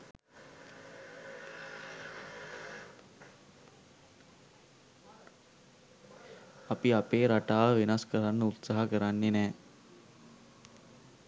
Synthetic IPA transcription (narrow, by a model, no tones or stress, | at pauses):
apiapeːɾaʈaːʋəʋinaskəɾanːəut̪saɦakəɾanːenɛː